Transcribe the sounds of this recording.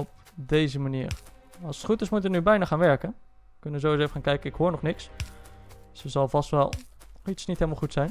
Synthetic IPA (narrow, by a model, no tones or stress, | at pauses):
ɔp̚ | dejzəmanḭːɹ | ɑlˠsə̥tχutɪsmutʋənybɛjnaχaːnʋɛɹkən | əkɵnəʋəzowizoefəχaːnkɛjkənɪkhoːɹnɔχnɪks | səzɑlˠvɑstʋɛ̰lˠ | itsnitɦelˠmalˠχutsɛjn